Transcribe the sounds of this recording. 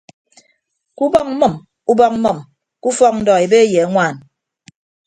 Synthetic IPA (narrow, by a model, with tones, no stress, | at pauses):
ku˦bɔ˦k̚m̩˦mɔ˨m | u˦bɔ˦k̚m̩˦mə˨m | ku˦fɔ˦k̚n̩˦dɔ˨e˨be˦je˨a˦ŋʷaː˨n